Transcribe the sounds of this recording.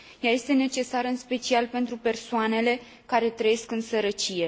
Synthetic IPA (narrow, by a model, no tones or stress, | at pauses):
jaje̞st̪e̞ne̞t͡ʃe̞saɾɨnspe̞t͡ʃialpe̞nt̪ɾupe̞rsoane̞le̞ | kaɾe̞t̪ɾəje̞skɨnsəɾət͡ʃije̞